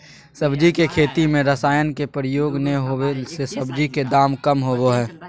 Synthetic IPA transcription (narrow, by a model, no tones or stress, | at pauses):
səbd͡ʒikekʰeːt̪imẽɾəsaːjənkepɾɪjoːɡneɦoːesesɐbd͡ʒiked̪aːmkəmɦoːɡoɦɛː